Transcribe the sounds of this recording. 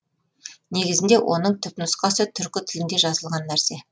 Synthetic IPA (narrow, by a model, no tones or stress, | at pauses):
ne̞ɡʲɪzɪnd̪e̞wʔo̞̰nəɴt̪ʰʏpnʊsqɑsət̪ʰʏɾkʲɪt̪ʰɪlɪnd̪e̞ʒɑzəlˠʁɑnːæɾse̞